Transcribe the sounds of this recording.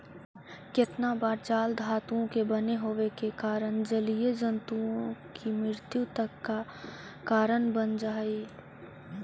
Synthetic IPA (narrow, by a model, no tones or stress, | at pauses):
kɪt̪nabaːɾt͡ʃaːld̪ʱaːt̪uõkebəneɦoʋekekaːɾənd͡ʒəlijed͡ʒənt̪uõkimɾɪɾt̪jut̪əkːa | kaːɾənbənd͡ʒaːi